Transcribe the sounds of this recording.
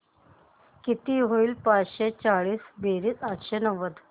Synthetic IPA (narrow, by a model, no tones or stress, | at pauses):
kit̪iɦoiːlpat͡sɕet͡saɭiːsbeɾiːt͡sat̪ɕenəʋəd̪